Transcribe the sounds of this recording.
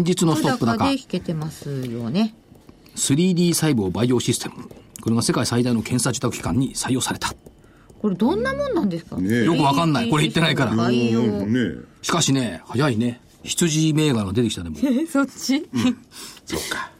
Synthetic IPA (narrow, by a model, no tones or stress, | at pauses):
sẽɲ̟d͡ʑit͡sɨno̞sɨt̪opːɯd̪akaki̥ke̞t̪e̞masɨjone̞ | sɨɾʲiːd̪ʲiːsaibɯːbaijo̞ːɕisɨ̥t̪ʰe̞mɯ̟ko̞ɾe̞ɡase̞kaisaid̪aino̞kʰẽ̞ɰ̃sad͡ʑɨt̪akɯ̟̥kʲi̥kã̰ɲ̟ːisaijoːsaɾe̞t̪ʰḁ | ko̞ɾe̞d̪õ̞nːamõ̞nːãnd̪esɨ̥ka̰jo̞kɯ̟β̞akãnːaiko̞ɾeit̪ːe̞naikaɾa̰o | ɕi̥kaɕine̞hajaine̞ | çi̥t͡sɨʑime̞ːɡaɾɯɡad̪e̞t̪e̞kʲi̥t̪ad̪e̞mosot͡ɕːi | soːkḁ